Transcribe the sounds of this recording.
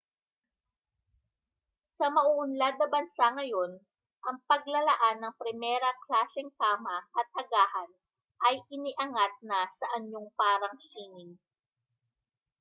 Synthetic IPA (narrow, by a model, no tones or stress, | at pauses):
sɐmɐʔuʔʊnlad̪ɐbɐnsaŋɐjo̞n | ʔɐŋpɐɡ̚lɐlɐʔanːɐŋpɾɪmɛɾɐklaːsɛŋkaːmɐʔɐt̪̚hɐɡaːhɐn | ʔɐjʔɪnɪʔɐŋat̪̚nɐsɐʔɐɲoŋpaːɾɐŋsiːŋɪŋ